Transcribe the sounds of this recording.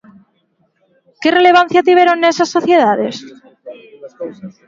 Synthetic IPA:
ke̞re̞le̞β̞an̟θjat̪iβjeɾonːesasːo̞θje̞ðaðe̞s

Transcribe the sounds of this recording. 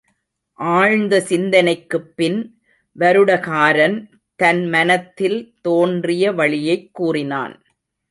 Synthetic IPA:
ʔaːɻnd̪ɐsɪnd̪ɐnɐɪkːɯpːɪn | ʋɐɾɯɽɐkaːɾɐn | t̪ɐnmɐnɐt̪ːɪlt̪oːndrɪjɐʋɐɭɪjɐɪkːuːrɪna̰ːn

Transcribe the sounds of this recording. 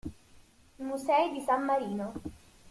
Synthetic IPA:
musɛid̪isamːaɾiːno

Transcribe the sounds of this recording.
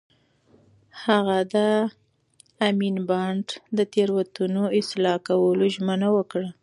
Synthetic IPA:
haɣad̪a | aminbɑɳɖd̪ət̪eɾwat̪unoɪslɑkawəloʒmənawəkɽa

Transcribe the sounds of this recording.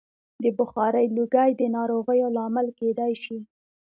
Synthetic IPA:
d̪əbʊxɑɾəjluɡajd̪ənɑɾoɣəjolɑmalked̪ajʃi

